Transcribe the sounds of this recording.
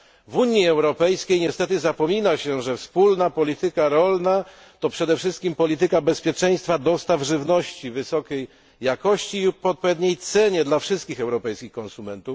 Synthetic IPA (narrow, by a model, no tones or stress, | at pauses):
vuɲiɛwɾɔpɛjskʲejɲɛst̪ɛt̪ɘzapɔmʲinaɕɛʐɛfspulnapɔlʲit̪ɘkaɾɔlna | t̪ɔpʂɛd̪ɛfʂɘst̪kʲimpɔlʲit̪̬ɘkabɛspʲjɛt͡ʂɛj̃st̪fad̪ɔst̪avʐɘvnɔɕt͡ɕivɘsɔkʲejː | akɔɕt͡ɕipɔɔt̪̚pɔvʲɛd̪ɲejt̪sɛɲɛd̪lafʂɘst̪̚kʲixɛwɾɔpɛjskʲixkɔnsumɛnt̪uf